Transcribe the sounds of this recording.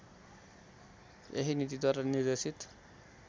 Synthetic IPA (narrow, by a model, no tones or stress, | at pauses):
ḛɦinit̪̬id̪waɾanird̪esit̪